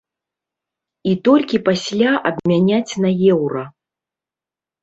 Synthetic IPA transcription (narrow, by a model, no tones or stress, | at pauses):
it̪ɔlʲkʲipasʲlʲaʔɐbmʲanʲat͡sʲnɐjɛwɾɐ